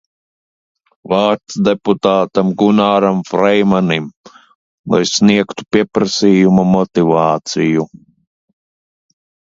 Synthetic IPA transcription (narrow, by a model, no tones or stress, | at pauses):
vaːɾt̪sd̪eput̪aːt̪amɡunaːɾamfɾɛjmanim | lˠa̰jsniɛkt̪u̥piɛpɾasiːjumamɔt̪ivaːt̪siju